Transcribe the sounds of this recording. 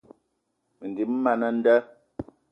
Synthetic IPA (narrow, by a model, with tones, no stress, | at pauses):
mə˨n˨di˨m̩˦ma˨nə˦n̩˦də˦